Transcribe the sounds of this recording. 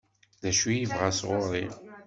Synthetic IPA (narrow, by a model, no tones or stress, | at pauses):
ðæʃijivʁasʁʊɾˤḭ